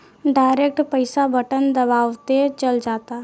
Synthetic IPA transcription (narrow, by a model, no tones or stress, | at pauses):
ɖaːɪɾeːk̚ʈpəɪsabəʈənd̪əbaːʋt̪et͡ʃəld͡ʒaːt̪a